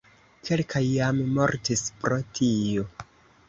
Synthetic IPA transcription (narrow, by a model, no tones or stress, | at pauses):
kʰelkʰajːammo̞ɾtispɾo̞tʰio̞